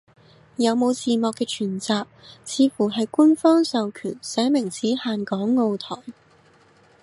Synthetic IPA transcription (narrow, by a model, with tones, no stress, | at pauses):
jɐ˨˧wmo˨˧wt͡siː˨mɔː˨kːɛː˧t͡ʃʰyː˨˩nt͡saː˨˧k̚t͡sʰiː˨˧fuː˨˩ɦɐ˨jku˥nfɔː˥ŋsɐ˨wkʰy̰ː˨˩nsɛː˨˥mɪ˨˩ŋt͡siː˨˥haː˨nkɔː˨˥ŋːo˨˧wt̪ʰɔː˨˩ŋ